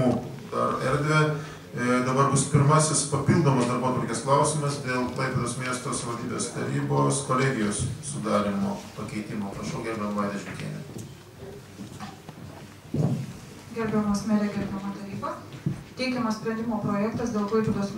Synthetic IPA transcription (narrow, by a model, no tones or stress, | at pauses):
uː | d̪ɐ̰ɾɛɾʲd̪ʲʋʲɛ | d̪ɐbɐɾbʊspʲɪɾmɑsʲɪspɐpʲilˠd̪oːmɐsd̪ɐɾboːt̪ʋɐɾʲkʲeːsklˠɐʊsʲɪmɐsd̪ʲeːlˠlˠɐɪpʲɛd̪oːsmʲiɛst̪oːsʋɐlʲd̪ʲiːbʲeːst̪ɐ̰ɾʲiːboːskoːlʲɛːɡʲɪjoːsːʊd̪ɑːɾʲɪmo̰ːpɐkʲɛɪt̪ʲɪmoːpɾɐʃɛʊɡʲɛɾʲbʲɛmʋɑɪd̪ʲɛʃʲɪmʲt̪ʲḭɛnʲɛ̰ | ɡʲɛɾʲbʲɛmoːsmʲɛɾʲɛɡʲɛɾʲbʲɛmɐːt̪ɐɾʲiːbɐt̪ʲɛɪkʲɛmɐssʲpʲɾʲɛ̃nd̪ʲɪmoːpɾoːjɛkt̪ɐsd̪ʲeːlˠʋɐɪpʲɛd̪oːs